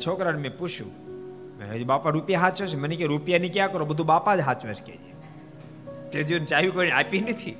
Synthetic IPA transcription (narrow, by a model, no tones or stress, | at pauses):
t͡ʃʰoːkɾəɽmẽput͡ʃʰṵ̃ | mḛɦed͡ʒibaːpaɾupjaɦat̪̚t͡ʃesmənikeɾupijanikjakəɾobəd̪ʱubaːpad͡ʒɦat̪t͡ʃʋeskḛd͡ʒḛ | t̪eːd͡ʒiunt͡ʃaːjikoinaːpinit̪ʰḭː